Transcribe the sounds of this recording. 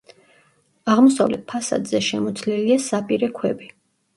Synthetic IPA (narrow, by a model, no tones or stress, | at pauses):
aʁmɔsavlɛt̪̚pʰasa̰d̪zɛʃɛmɔt̪sʰlɛliasapʼiɾɛkʰwɛbi